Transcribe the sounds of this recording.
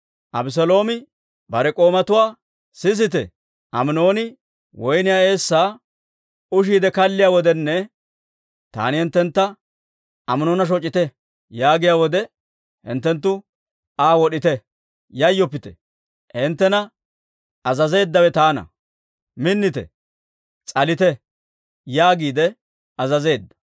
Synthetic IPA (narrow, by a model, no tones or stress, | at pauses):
ʔɐbɪs̬ɔlo̞ːmɪ | bɐɾɛkʼo̞ːmɐt̪ʊwaː | sɪs̬ɪt̪̬ɛ̰ | ʔɐmno̞ːnɪ | wʔɔjnɪjaːe̞ːsːaː | ʊʃ̬iːd̪ɛkɐlːɪjaːwɔd̪ɛnːɛ | t̪a̰ːnɪhɪnt̪ːɛnt̪ːɐ | ɐmno̞ːnɐʃ̬ɔt͡ʃʼːɪt̪ɛ | jaːɡɪjaːwɔd̪ɛ | hɪ̰nt̪ːɛnt̪ːʊ | aːwɔɗɪt̪ɛ | jɐjːɔpːɪt̪ɛ̥ | hɪnt̪ːɛnɐ | ɐzɐze̞ːd̪ːɐwɛt̪aːnɐ̰ | mɪnːɪt̪ɛ̰ | t͡sʼɐlɪt̪ɛ | jaːɡiːd̪ɛ | ɐzɐze̞ːd̪ːɐ̥